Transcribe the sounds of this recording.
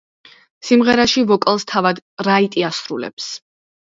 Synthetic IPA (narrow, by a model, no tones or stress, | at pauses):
simʁɛɾaʃivɔkʼlˠst̪ʰavad̪ɾait̪ʼiasɾulɛ̰ps